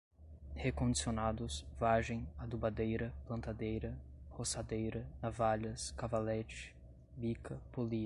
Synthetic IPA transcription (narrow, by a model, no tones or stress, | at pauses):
hekõnd͡ʒisionad̪ʊsvaʒẽj̃ad̪ubad̪ejɾɐplɐ̃nt̪ad̪ejɾɐhosad̪ejɾɐnavaʎɐskavalɛt͡ʃɪ̥ | bikɐpoliɐ